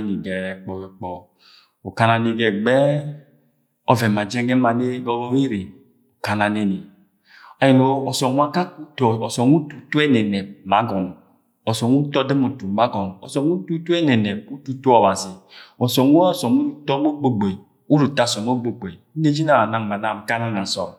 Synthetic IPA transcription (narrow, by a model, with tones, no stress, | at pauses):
ni˨ɡɛ˨ɛ˨k͡pɔ˨wɛ˨k͡pɔ˨ | o˨ka˨na˧ni˧ɡɛ˨ɡ͡bɛ˦ | ɔ˧vɛ˨ma˨d͡ʒɛ˦ɡɛ˦ma˧ne˦ɡɔ˧lɔ˦wi˦ɾi˨ | o˨ka˨na˨ne˦ni˨ | a˨ji˨no˨ɔ˨sɔ˨nʷ˦a˦ka˦ku˦tɔ˨ɔ˨sɔ˨nu˦tu˨tu˦ɛ˦nɛ˨nɛ˨ma˨˦ɡɔ˨n | ɔ˨sɔ˨nu˦tɔ˦de˦mu˨tu˨ma˦ɡɔ˨nɔ̰˨sɔ˨ŋu˦tu˦tu˦ɛ˦nɛ˨nɛ˨u˦tu˦tu˦ɔ˨wa˨zi˨ɔ˨sɔ˨nu˦a˦˨sɔ˨mu˦tɔ˦mo˦ɡ͡bo˦ɡ͡be˨ | u˦ɾu˨ta˦˨sɔ˨mo˦ɡ͡bo˨ɡ͡be˨˦e˦d͡ʒi˦na˦a˨na˨ŋ˨ma˨na˨m̩˨ka˦na˦na˨n̩˨sɔ̰˨